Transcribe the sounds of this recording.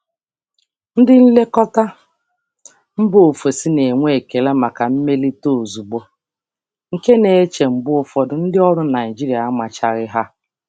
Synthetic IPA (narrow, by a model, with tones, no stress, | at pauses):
n̩˦dɪ˦n̩˦le˦kɔ˦ta˦ | m̩˦bʊ˦o˨fo˨si˦ne˨ŋʷe˦˨ke˨la˦ma˨ka˨m̩˦me˦li˦to˦˨o˨zu˨ɡ͡bo˦ | ŋ̩˨ke˦ne˨e˦t͡ʃe˨m̩˨bʊ˦ʊ˨fɔ˨dʊ˨n̩˦dɪ˦ɔ˦ɾʊ˦na˨ɪ˨d͡ʒi˦ɾi˨a˨a˦ma˨t͡ʃa˨ɾɪ˦ɦa˦